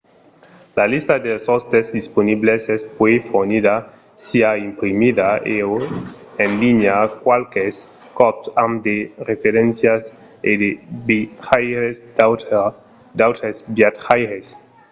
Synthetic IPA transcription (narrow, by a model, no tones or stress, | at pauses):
lalist̪ad̪elsost̪ezd̪isponiblesɛspwefoɾniða | siaimpɾimid̪aʔeoenliɲakwalkes | kɔpsamd̪eɾefeɾensjas | ed̪ebχajɾesd̪ | d̪awt̪ɾesbjat̪χajɾes